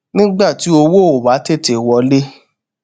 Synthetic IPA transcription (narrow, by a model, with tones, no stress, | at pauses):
nĩ˦ɡ͡ba˦˨ti˨˦o˧wo˦˨o˨ba˨˦te˦˨te˨wɔ˧le˦